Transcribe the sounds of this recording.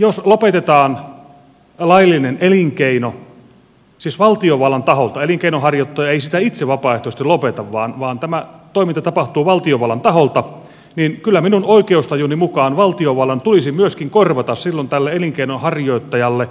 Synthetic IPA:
joslopet̪et̪ɑːn | lɑilːineneliŋkeino | siːsʋɑlt̪ioʋɑlɑnt̪ɑholt̪ɑeliŋkeinohɑrjot̪ːɑjɑeisit̪æit̪seʋɑpɑːˑeht̪oˑst̪ilopet̪ɑʋʋɑːnʋɑːnt̪æmæt̪oimint̪ɑt̪ɑpɑht̪uːʋɑlt̪ioʋɑlːɑnt̪ɑholt̪ɑ | ninkylːæminunoikeust̪ɑjunimukɑːnʋɑlt̪ioʋɑlːɑnt̪ulisimyøskiŋkorʋɑt̪ɑssilːont̪ælːeeliŋkeinonhɑrjoˑit̪ːɑjɑlːe

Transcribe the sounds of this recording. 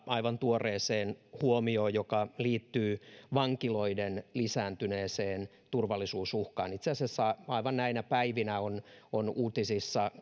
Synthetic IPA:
ɑiʋɑnt̪uoreːseːnhuomioːjokɑliːt̪ːyːʋɑŋkiloidenlisæːnt̪yneːseːn | t̪urʋɑlːisuːsuhkɑ̰ːnit̪seɑsesːɑɑiʋɑnnæinæpæiʋinæononuːt̪isisːɑ

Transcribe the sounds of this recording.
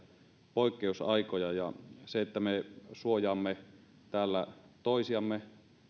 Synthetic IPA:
poˑikːeusɑˑikojɑjɑ̰seet̪ːæmesuojɑːmːe | t̪æːlːæt̪oˑisiɑmːe

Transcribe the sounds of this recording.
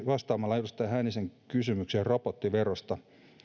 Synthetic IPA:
ʋɑst̪ɑːmɑlːɑeɾust̪ːˑɑjɦæːniseŋkysymykseropot̪ːiʋerost̪ɑ

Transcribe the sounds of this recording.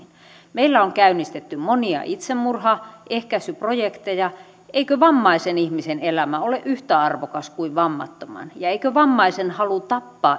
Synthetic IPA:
n | meilːæoŋkæynːist̪et̪ːymoniɑ̰ʔit̪semmurhɑʔehkæsyprojekt̪ejɑ | eikøʋɑmːɑisenihmisenelæmæoleʔyht̪æɑrʋokɑskuiʋʋɑmːɑ̰t̪ːomɑ̰njɑeikøʋɑmːɑisenhɑlut̪ɑpːɑː

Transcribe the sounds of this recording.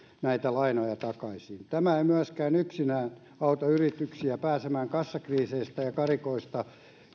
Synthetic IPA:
næit̪ælɑinojɑt̪ɑkɑisint̪æmæeimyæskæːnyksinæːn | ɑut̪ɑyrit̪yksiæpæːsemæːŋkɑsːɑkriːseist̪æjɑkɑrikoist̪ɑ

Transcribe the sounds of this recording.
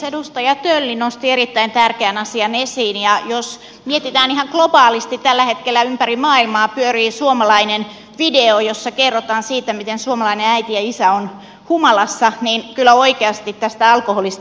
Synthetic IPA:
edust̪ɑjɑt̪ølːinost̪ieɾit̪ːæint̪ærkeænɑsiɑnesiːnjɑjos | miet̪it̪æːnihɑŋklob̥ɑːlist̪it̪t̪ælːæhet̪kelːæympærimɑːilmɑːpyøriːsuomɑlɑinen | ʋideojosːɑkerːot̪ɑːnsiːt̪æmit̪ensuomɑlɑineæit̪ijɑisæon | humɑlɑsːɑniːnkylːˑæoikeɑst̪it̪tæst̪æɑlkoholist̪

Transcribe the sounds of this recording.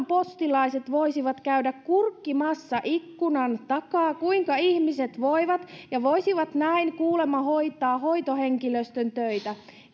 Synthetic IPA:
mpo̞st̪ilɑise̞t̪ʋo̞isiʋɑt̪kæydækkurkːimɑsːɑʔikːunɑnt̪ɑkɑːkuiŋkɑiçmise̞t̪ʋoiʋɑt̪jɑʋo̞isiʋɑt̪næiŋkuːle̞mɑɦo̞it̪ɑːɦo̞it̪ohe̞ŋkiløst̪ønt̪øit̪æ

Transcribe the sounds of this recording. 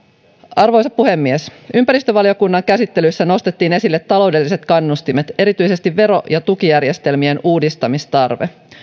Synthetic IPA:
ʔɑrʋo̞jsɑppuhe̞mːiesympæɾist̪øʋɑlio̞kunːɑŋkæsit̪ːe̞lyjsːæno̞st̪et̪ːiːne̞silːet̪ːɑlo̞wde̞lːise̞t̪kɑnːust̪imet̪e̞ɾit̪yjse̞st̪iʋːe̞ɾo̞jɑt̪ukijærje̞st̪e̞lmie̞nuːdist̪ɑmist̪ɑrʋḛ

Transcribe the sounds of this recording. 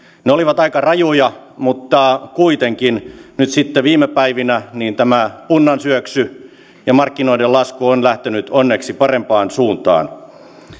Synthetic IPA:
neoliʋɑt̪ɑikɑrɑjojɑmut̪ːɑkuit̪eŋkinnyt̪sit̪ːeʋiːmepæiʋinæniːnt̪æmæpunːɑnsyøksy | jɑmɑrkːinoidelɑskuonlæht̪enyt̪onːeksipɑrempɑːnsuːnt̪ɑ̰ːn

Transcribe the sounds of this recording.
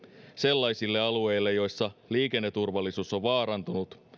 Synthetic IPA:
se̞lːɑjsilːe̞ɑlue̞jlːejo̞jsːɑliːke̞nːet̪ːurʋɑlːisuːso̞ʋʋɑːɾɑnt̪unut̪

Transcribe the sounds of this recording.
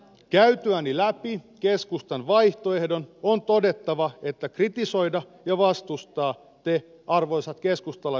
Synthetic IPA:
kæyt̪øænilæpikeskust̪ɑnʋɑjht̪oe̞hdo̞nont̪o̞det̪ːɑʋɑe̞t̪ːækrit̪iso̞jdɑ | jɑʋɑst̪ust̪ɑː | t̪e | ɑrʋo̞jsɑt̪keskust̪ɑlːɑ

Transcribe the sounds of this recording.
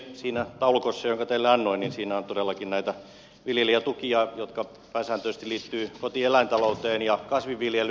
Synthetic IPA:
siːnæt̪ɑulukosːɑjoŋkɑt̪eilːeɑnːoininsiːnæont̪odelːˑɑkinnæit̪æ | ʋiljeliæt̪ukiɑjot̪kɑ | pæˑisæːnt̪øˑst̪iliːt̪ːyːkot̪ielæint̪ɑlout̪eːnjɑkɑsʋiʋʋiljel

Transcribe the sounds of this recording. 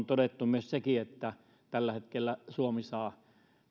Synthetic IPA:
nt̪odet̪ːumyøssekiet̪ːæ | t̪ælːæhet̪kelːæsuomisɑː

